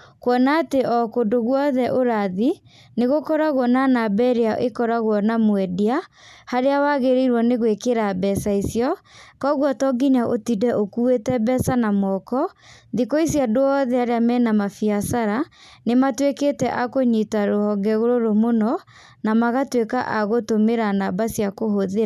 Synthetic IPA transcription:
kwɔnaːteʔɔkodoɣwɔðɛʔoɾaði | neɣokɔɾaɣwɔnanabɛɾeaʔekɔɾaɣwɔnamwɛdia | haɾeawaɣeɾeiɾwɔneɣwekeɾabɛsaisjɔkɔɣwɔtɔɡiɲaʔotidɛʔokuetɛbɛsanamɔkɔðikoisjadoɔðɛaɾeamɛnamafiasaɾanematweketɛʔakoɲitaɾohɔŋɡɛɣoɾoɾomonɔ | namaɣatwekaʔaɣotomeɾanabasjakoɦoðe

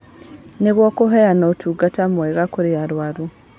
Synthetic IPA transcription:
neβwokuɦeanotʰuːɡatamweɣakuɾijaɾwaɾu

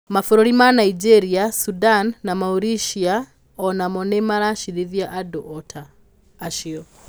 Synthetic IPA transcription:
mafɔɾɔɾimanaid͡ʒɛɾiasudanːamauɾiʃia | ɔnamɔnɛmaɾaʃiðiðjaʔadɔʔɔtʰaː | ʃiɔ

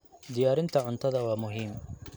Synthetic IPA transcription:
d̪ɪjaːɾɪnt̪ʰɐʕʊnt̪ʰɐðɐwaːmʊɦiːm

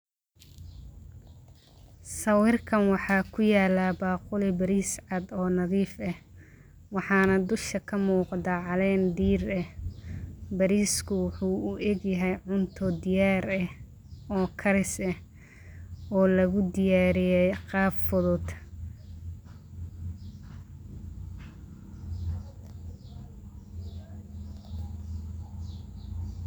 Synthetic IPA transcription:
sɐwɪrkʰɐnwɑħɑːkʰʊjaːlabɑːqʊlɪbɐɾiːsʕɑd̪ɔːnɐðiːfɛh | wɑħɑːnɐd̪ʊʃkɐkʰɐmuːqd̪aʕɑlɛːnd̪iːrɛh | bɐɾiːskʰʊwʊħuːʊʔɛɡjɐɦɛjʕʊnt̪ʰɔd̪ɪjaːɾɛh | ɔːkʰɐɾɪsɛh | ɔːlɐɣʊd̪ɪjaːɾɪjɛjqɑːffɔðɔd̪

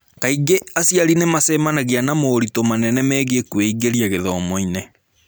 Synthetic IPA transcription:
kaiɡeasiaɾinemasɛmanaɣianamoɾitomanɛnɛmɛːɣekweiɡeɾiaɣeðɔmoinɛ

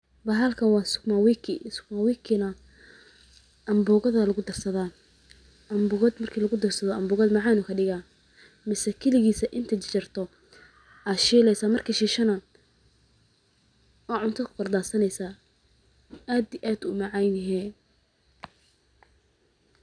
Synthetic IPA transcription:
bɐɦɐlkʰɐnwɑːsʊ̥ɡmawikʰɪsʊ̥ɡmawikʰɪnɐ | ɐmbʊːɣɐðɐlɐɣʊd̪ɐrsɐðaː | ʔɐmbʊɣɐd̪mɐrkʰiːlɐɣʊd̪ɐrsɐðɔɐmbʊːɣɐd̪mɑʕɑːnʊkʰɐɖɪɣaː | mɪsɛkʰɛlɪɣiːsɐʔɪnt̪ʰɐt͡ʃt͡ʃɪrt̪ʰɔ | ʔaːʃiːlɛjsaːmɐrkʰiːʃiːʃɐnɐ | ɔːʕʊnt̪ʰɐkʰʊ̥qɐrd̪aːsɐnɛjsaː | aːd̪iʔaːd̪ʊmɑʕɑjnɦɛ

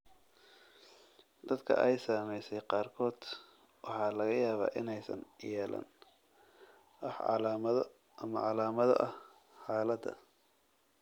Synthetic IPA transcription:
d̪ɐd̪kʰɐ̰ʔɛjsaːmɛjsɛjqɑːrkʰɔːd̪̥ | wɑħɑːlɐɣɐjaːβa̰ːʔɪnɛjsɐ̰njɛːlɐ̰n | wɑħʕɑ̰lamɐð | mɐ̰ʕɑlaːmɐðɐ̰ʔɐh | ħɑːlɐd̪ɐ̰

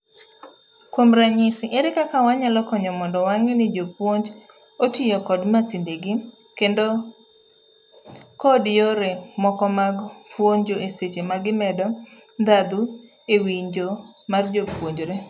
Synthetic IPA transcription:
kwomɾaɲɪsɪʔeɾɪkakawaɲalɔkɔɲɔmɔndɔwaŋenɪd͡ʒopwoɲd͡ʒ | otɪjɔkɔdmasindeɡɪ | kendo | kɔdjoɾemɔkɔmaɡpʰwoɲd͡ʒoeset͡ʃemaɡɪmɛdɔ | nd̪ad̪u | ewiɲd͡ʒomard͡ʒopwoɲd͡ʒɾe

